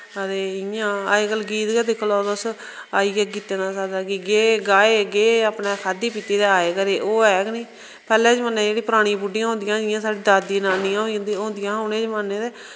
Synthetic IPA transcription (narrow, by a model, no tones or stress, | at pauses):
əd̪eːɪjãːaːeːkəlɡiːt̪ɡɛːd̪ɪkʰloːd̪s | aːiːɛːɡiːt̪ẽːnaːsaːd̪aːkiɡeːɡaːeːɡeːaːpnẽːkʰaːd̪iːpiːt̪iːd̪eːaːeːkəɾeːʔoːɛːɡnĩː | pɛːlɛ̃ːd͡ʒmənːẽːd͡ʒeːɽiːpəɾaːɽ̃ĩːpʊɖijãːɦõnd̪ɪjãːɪjãːsaːɖiːd̪aːd̪iːnaːnɪjãːd̪õːnd̪ɪjãːɦʊnẽːd͡ʒmanːẽːd̪eː